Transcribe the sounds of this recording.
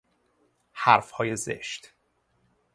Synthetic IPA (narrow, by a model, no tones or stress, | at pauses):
hæɾfhɒːjezḛʃt̪